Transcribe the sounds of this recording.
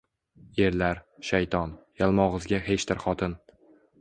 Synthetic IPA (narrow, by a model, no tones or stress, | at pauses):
je̞ɾlaɾʃajt̪ʰɒnjalˠmɒʁɨzɡʲaɦe̞t͡ʃt̪ʰɪɾχɒt̪ʰɪn